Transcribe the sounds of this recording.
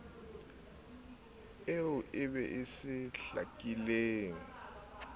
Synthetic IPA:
eʊʔɪβɛʔɪsɪɬa̰kʼileːŋ̩

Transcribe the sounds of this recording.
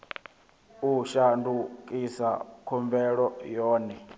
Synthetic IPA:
uʃandukʼisa̰kʰɔmbɛɺɔjɔːnɛ

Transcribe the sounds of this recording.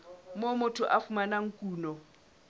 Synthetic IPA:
momʊtʰʊʔafumanaŋ̩kʼuːnɔ

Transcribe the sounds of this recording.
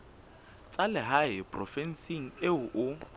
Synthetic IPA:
t͡sʼalɪɦaɪpʼrɔ̰fɛn̩siŋ̩eʊʔʊ

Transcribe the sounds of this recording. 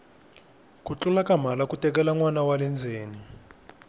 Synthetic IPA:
kut͡ɬulakam̤alakutʼɛk̬ɛlaŋwanawalɛnd͡zʱeːni

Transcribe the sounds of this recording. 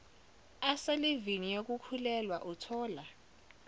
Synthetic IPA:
aselivinijok̬ukʰulɛlwaʔutʰɔːla

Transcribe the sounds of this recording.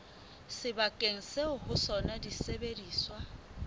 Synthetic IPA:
sɪbakʼeŋ̩seʊhʊsɔnadisebediːswa

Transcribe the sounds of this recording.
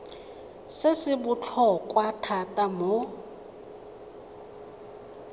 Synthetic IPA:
sesɪbut͡ɬʰɔkʼwatʰatʼamɔ

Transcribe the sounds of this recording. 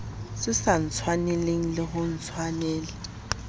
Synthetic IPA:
sɪsan̩t͡sʰwaneleŋ̩lɪɦʊn̩t͡sʰwanɛːlɪ

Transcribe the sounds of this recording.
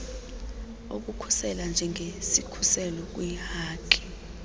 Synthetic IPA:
o̰k̬ukʰu̥sɛland͡ʒʱɛŋɡʱesikʰusɛlɔk̬wihaːkʼi̥

